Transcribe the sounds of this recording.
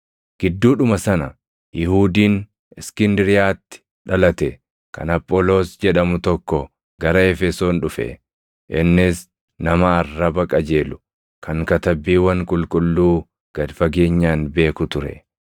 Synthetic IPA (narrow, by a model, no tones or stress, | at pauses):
ɡ̥ɪd̪ːuːᶑʊmɐsɐnɐ | jɪhuːd̪iːn | ɪskɪnd̪ɪɾɪjaːt̪ːɪ̥ | ᶑɐlɐt̪ɛ | kɐ̰nɐpʼːɔːlo̞ːsd͡ʒɛᶑɐmʊt̪ɔkːɔ | ɡɐɾɐɛfɛso̞ːnᶑʊfɛ̰ | ʔɪnːɪs | nɐmɐːrːɐbɐkʼɐd͡ʒe̞ːlʊ̥ | kʰɐŋkɐt̪ɐbːiːwɐŋkʼʊlkʼʊlːuː | ɡ̥ɐd̪fɐɡe̞ːɲːaːnbe̞ːkʊt̪ʊɾɛ̰